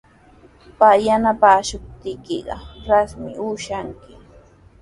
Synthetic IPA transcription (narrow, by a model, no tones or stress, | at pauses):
pajanapaːʃʊp̚t̪ɪkɪɢɑ̰ɾasmɪ̰ʊʃaŋkɪ